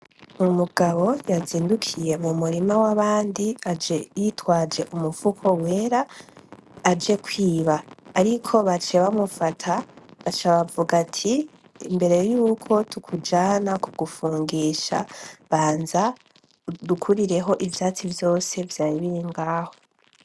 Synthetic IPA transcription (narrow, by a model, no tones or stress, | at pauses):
mumuɡaβo̞jaziːndukʰije̞mumuɾimawaβaːndiad͡ʒejitwaːd͡ʒe̞ʔumuv̥ukʰo̞we̞ːɾaː | d͡ʒe̞kwiːβaːɾikʰo̞βat͡ʃeβamufatʰaβat͡ʃaβavuɡatʰḭː | mbe̞ɾe̞juːkʰo̞tʰukʰud͡ʒaːnakuɡufuːŋɡiːʃa̰βaːnza | dukʰuɾiɾe̞ɦo̞ʔivjaːt͡sivjo̞ːse̞vjaːɾiβiiŋɡaːho̞